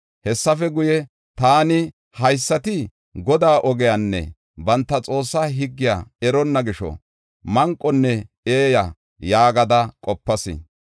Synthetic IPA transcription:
hɛsːɐfɛɡʊjɛ | t̪aːnɪ | hɐjsːɐt̪ɪ | ɡɔd̪aːʔɔɡɛjanːɛ̰ | bɐnt̪ːɐt͡sʼo̞ːsːaːɦɪɡːɪja̰ːɛɾɔnːɐɡɪʃɔ̰ | mɐŋkʼːɔnːɛ | eːja | jaːɡɐd̪ɐkʼɔpːɐsɪ̰

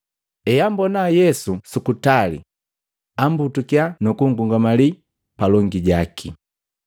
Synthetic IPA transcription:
ɛjambɔnajɛsusukutalḭ | ambutukianukuŋ̩ɡuŋɡamali | palɔŋɡiɟakʰi

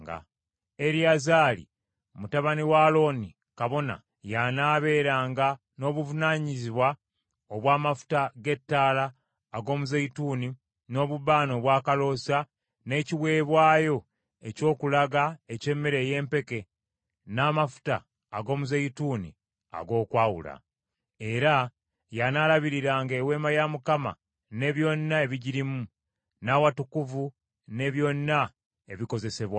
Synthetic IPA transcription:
ɡa̰ | eɾiazaːlḭ | mutaβaniwaːlo̞ni | kaβo̞na̰ | janaːβe̞ːɾaːŋɡa | no̞ːβuvunaːɲiziβwa | oβwaːmafu̥taɡe̞tːaːlaː | ɡo̞ːmuzejituːni | no̞ːβuβaːno̞βwaːkalo̞sa | ne̞ːciwe̞ːβwaːjo̞ | e̞co̞ːkulaɡae̞ce̞mːe̞ɾe̞ːje̞ːmpe̞ke̞ | naːmafu̥ta̰ː | ɡo̞ːmuzejituːnḭ | a̰ɡo̞ːkwaːwṵla̰ | e̞ɾa | janalaβiɾiɾaːŋɡeːwe̞ːmajamukama̰ | ne̞βjo̞nːae̞βiɟiɾimu | nawatukuvu | ne̞βjo̞nːa | e̞βiko̞ze̞se̞βwa

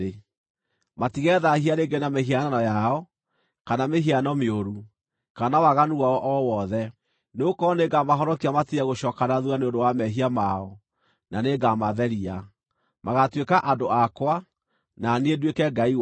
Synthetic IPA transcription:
e | matiɣɛðahiaɾeɡenameɦiananɔjaɔ | kanameɦianɔmeoɾu | kanawaɣanuɣaɔʔɔwɔðɛ | neokɔneɡamaɦɔɾɔkiamatiɾɛɣoɕɔːkanaðuaneondowamɛɦiamaɔ | naneɡamaðɛɾia | maɣatwekaʔadoakwa | naneedwekɛɡai

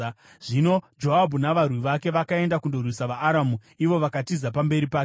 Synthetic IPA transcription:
ʐ̥ino̞d͡ʒo̞abʱunaʋarwiʋake̞ʋakae̞ndakundorwisaʋaːɾamu | iʋo̞ʋakatizap̬ambe̞ɾipaːke

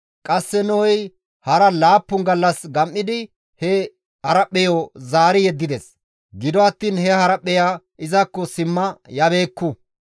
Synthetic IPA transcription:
kʼɐsːɛnɔːj | hɐɾɐlaːpːʊnɡɐlːɐsɡɐmʔːɪd̪ɪ | hɛ | hɐɾɐpːɛjɔzaːɾɪjɛd̪ːɪd̪es | ɡɪd̪ɔɐt̪ːiːnhɛhɐɾɐpːɛjaː | ʔɪzɐkːɔsɪmːɐjɐbe̞ːkːʊ

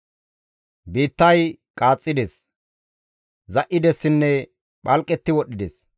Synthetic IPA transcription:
biːt̪ːɐjkʼaːt͡sʼːɪd̪es | zɐʔɪd̪ɛsːɪnːɛ | ɓʼɐlkʼːɛt̪ːɪwɔɗːɪd̪es

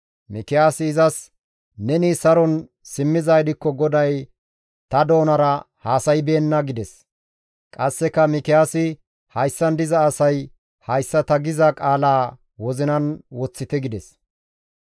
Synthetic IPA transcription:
mɪkɪjaːsɪːzɐs | nɛnisɐɾɔn | sɪmːɪzajɪd̪ɪkːɔɡɔd̪ɐj | t̪ɐd̪o̞ːnɐɾɐ | haːsɐjbeːnːɐɡɪd̪ɛs | kʼɐsːɛkːɐmɪkɪjaːsɪ | hɐjsːɐnd̪ɪzɐːsɐj | hɐjsːɐt̪ɐɡɪzɐkʼaːlaː | wɔzɪnɐnwɔt͡sːɪt̪ɛɡɪd̪ɛs

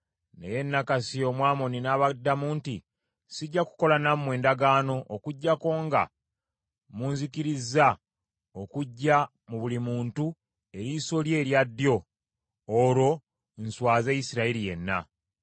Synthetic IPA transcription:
ne̞̰je̞nːakasio̞mwaːmo̞ninaːβadːamuːnti | siɟːaku̥ko̞lanammwe̞ːndaɡaːno̞ʔːkuɟːako̞ːŋɡa̰ | muːnzikiɾizːa | o̞kuɟːa | muβulimuːntu | e̞ɾiso̞lje̞ːɾjadːjo̞ː | ɾo̞ | nswaːzejisiɾailije̞nːa̰

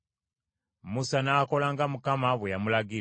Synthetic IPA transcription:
musanaːko̞laŋɡamukamaβwejamulaɡi

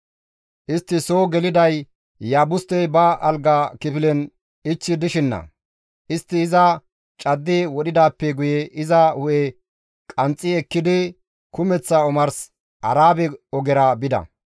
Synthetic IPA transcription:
ʔɪst̪ːɪsoːɡɛlɪd̪ɐj | jaːbʊst̪ɛjbɐɐlɡakɪpɪlɛn | ɪt͡ʃːɪd̪ɪʃɪnːɐ̰ | ʔɪst̪ːɪːzɐ | t͡ʃʼɐd̪ːɪwɔɗɪd̪aːpːɛɡʊjɛʔɪzɐhʊʔɛ | kʼɐnt͡sʼːɪɛkːɪd̪ɪ | kʊmɛt͡sːɐɔmɐɾs | ʔɐɾaːbɛɔɡɛɾɐbɪd̪ɐ̰

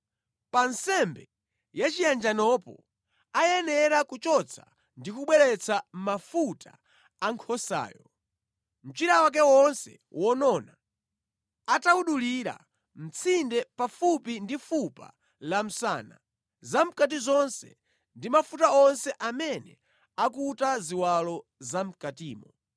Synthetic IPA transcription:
pansɛmbɛ | jat͡ʃijand͡ʒanɔpɔ̰ | ajɛnɛɾakut͡ʃɔt͡sʰa̰ | ndikuɓwɛɾɛt͡sʰam̩mafutʰaː | ŋkʰɔsa̰ːjɔ | m̩t͡ʃiɾawak̬ɛwɔnsɛ̰ | wɔnɔna | atauɗuliɾa̰ | m̩t͡sʰindɛpafupindifupa̰ | lam̩sa̰ːna̰ | zam̩kat̬izɔnsɛ̰ | ndimafutaɔnsɛʔamɛnɛ̰ | akutaziwalɔzam̩katiːmɔ

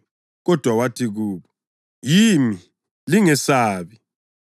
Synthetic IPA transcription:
ɣɔd̥ʱwawatʰiɣuːβɔ | jiːmi | liŋɛsaːβi

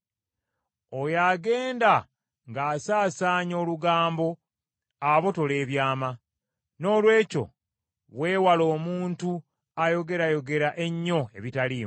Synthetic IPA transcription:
o̞jaːɡe̞ːnda | ŋɡaːsaːsaːɲo̞ːluɡaːmbo̞ | aβo̞to̞le̞ːβjaːma | no̞ːlwe̞ːco̞̰ | βwe̞ːwalo̞ːmuːntu | ajo̞ɡe̞ɾajo̞ɡe̞ɾaʔe̞ɲːo̞e̞βitali

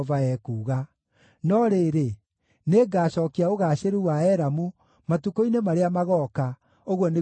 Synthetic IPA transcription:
vaɛːkuːɣa | nɔɾeɾe | neɡaːɕɔːkiaoɣaːɕeɾuwaɛɾamu | matukoinemaɾeamaɣɔka | oɣwɔne

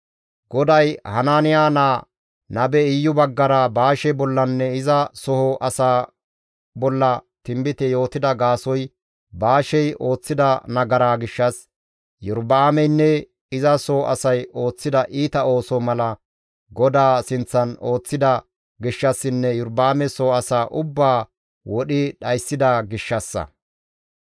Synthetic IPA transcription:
ɡ̥ɔd̪ɐjhɐnaːnɪjaːnaː | nɐbɛɪjːʊbɐɡːɐɾabaːʃɛbɔlːɐnːɛɪzɐsɔhɔʔɐsaː | bɔlːɐt̪ɪmbɪt̪ɛjo̞ːt̪ɪd̪ɐɡaːsɔj | baːʃɛjʔo̞ːt͡sːɪd̪ɐnɐɡɐɾaːɡɪʃːɐs | jʊɾbaːmɛjnːɛ | ɪzɐsɔʔɐ̰sɐjo̞ːt͡sːɪd̪ɐʔiːt̪ɐo̞ːsɔmɐlɐ | ɡɔd̪aːsɪnt͡sːɐno̞ːt͡sːɪd̪ɐ | ɡɪʃːɐsːɪnːɛjʊɾbaːmɛsɔhɔɐsaːʔʊbːaː | wɔɗɪɗɐjsːɪd̪ɐɡɪʃːɐsːɐ̰

